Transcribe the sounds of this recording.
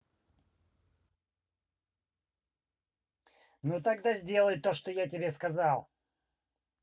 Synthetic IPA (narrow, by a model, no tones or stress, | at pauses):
nut̪aɡd̪azʲdʲe̞lˠəjt̪o̞ʂt̪ojat̬ʲɪbʲeskɐzɑlˠ